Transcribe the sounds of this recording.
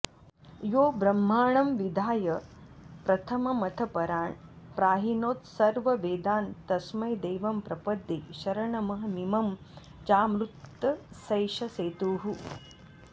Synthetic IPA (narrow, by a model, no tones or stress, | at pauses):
joːbɾɐmːaːɳɐmʋid̪ʱaːjɐpɾɐt̪ʰɐmɐmɐt̪ʰɐpɐɾaːɳ | pɾaːɦinoːt̪sɐɾʋɐʋeːd̪aːnt̪ɐsmɐjd̪eːʋɐmpɾɐpɐd̪ːiʃɐɾɐɳɐmɐɦɐ̆nimɐm | t͡ʃaːmɾut̪ːɐsɐjʃɐseːt̪uːɦu